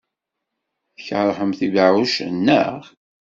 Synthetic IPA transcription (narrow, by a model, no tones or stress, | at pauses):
θçɾˤħəmθivəʕuʃnːə̰ʁ